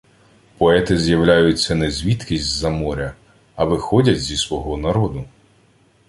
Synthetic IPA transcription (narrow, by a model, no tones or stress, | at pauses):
pɔɛt̪ɪzʲjɐwlʲajʊt͡sʲːɐnɛzʲʋʲit̪kʲizʲtʲzɐmɔɾʲɐ | ɐʋɪxɔdʲɐtʲzʲisʋɔɦɔnɐɾɔd̪ʊ